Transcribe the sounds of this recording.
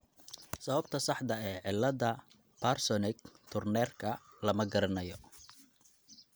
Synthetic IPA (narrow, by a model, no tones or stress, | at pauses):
sɐβɐbt̪ʰɐsɑħd̪ɐɛːʕɪlːɐðɐ | pʰarsɔnɪɡ̚t̪ʰʊrnɛːrkʰɐlɐmɐɡɐɾɐnɐjɔ